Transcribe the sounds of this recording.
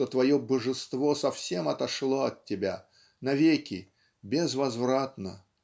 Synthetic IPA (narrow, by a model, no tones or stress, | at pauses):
t̪ot̪vɐjobəʐɨst̪vo̞sɐfsʲe̞mɐt̪ɐʂlˠo̞ɐtʲːɪbʲa̰ | nɐvʲekʲɪ | bʲɪzvɐzvɾat̪̚nə